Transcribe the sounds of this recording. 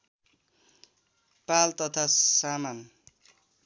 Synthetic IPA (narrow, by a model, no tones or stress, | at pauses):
palt̪ʌt̪ʰasaman